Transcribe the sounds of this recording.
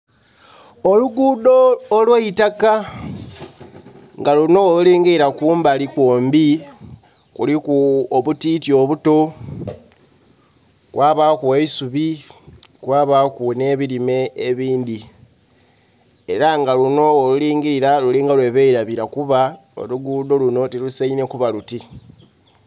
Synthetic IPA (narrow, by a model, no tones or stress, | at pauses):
o̞luɡudoːlweitaka | ŋɡaluno̞oluliːŋɡiɾiɾakuːmbalikwoːmbi | kulikuoβutitjo̞βuto̞ | kwaːβakuweisuβi | kwaːβakune̞ːβiɾime̞ːβiːndi | eɾaŋɡaluno̞oluliːŋɡiɾiɾaluliːŋɡalwe̞βeiɾaβiɾakuβa | o̰luɡuːdo̞luno̞tilusaine̞kuβaluti